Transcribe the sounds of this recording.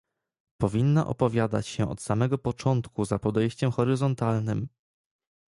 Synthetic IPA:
pɔvʲinːa̰ʔɔ̰pɔvʲjad̪a̰t͡ɕɕɛɔ̰t̪samɛɡɔpɔt͡ʂɔnt̪kuzapɔd̪ɛjɕt͡ɕɛmxɔɾɘzɔnt̪alnɘm

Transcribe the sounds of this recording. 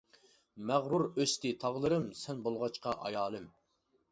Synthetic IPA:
mæʁɾuɾøst̪ɪt̪ʰɑʁlˠɨɾɨmsɛnbolˠʁɑt͡ʃqɑʔɑ̰jɑːlˠɨm

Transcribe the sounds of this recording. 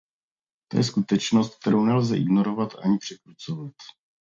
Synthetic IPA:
t̪o̞jɛskut̪ɛt͡ʃno̞st̪̚k̚t̪ɛɾownɛlzɛʔɪ̰ɡno̞ɾo̞vat̪ʔaɲɪpr̥ɛkɾut͡so̞vat̪

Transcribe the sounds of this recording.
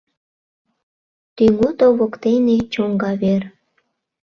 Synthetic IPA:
t̪yŋut̪oβokt̪enet͡ɕoŋɡɑβer

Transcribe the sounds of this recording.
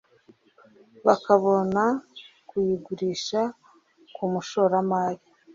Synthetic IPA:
βakaβo̞na | kujiɡuɾiːʃa | kumuʃo̞ːɾamaːɾi

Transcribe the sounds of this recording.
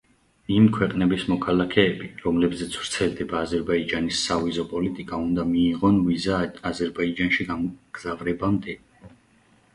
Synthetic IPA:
imkʰwɛqʼnɛbismɔkʰalakʰɛːbiɾɔmlɛbzɛt̪sʰvɾt̪sʰɛld̪ɛbaːzɛɾbaid͡ʒanisːavizɔpʼɔlit̪ʼikʼaund̪amiːʁɔnvizaːzɛɾbaid͡ʒanʃiɡaɡ̥zavɾɛbamd̪ɛ

